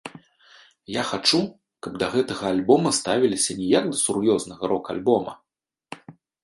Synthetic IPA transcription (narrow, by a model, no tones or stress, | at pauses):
jaxat͡ʂu | kɐb̚d̪ɐɣɛt̪ɐɣɐalʲbɔmɐst̪avʲilʲisʲɐnʲɛjaɡd̪ɐsurjɔznɐɣɐɾɔka̰lʲbɔmɐ